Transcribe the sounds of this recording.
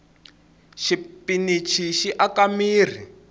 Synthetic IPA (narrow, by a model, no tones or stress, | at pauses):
ʃipinit͡ʃʰiʃiʔakamiːr̤ḭ